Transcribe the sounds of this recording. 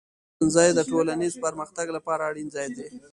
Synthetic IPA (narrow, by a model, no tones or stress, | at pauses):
nzɑjd̪əʈolanizpəɾməxt̪aɡlapɑɾaːɽinzɑjd̪e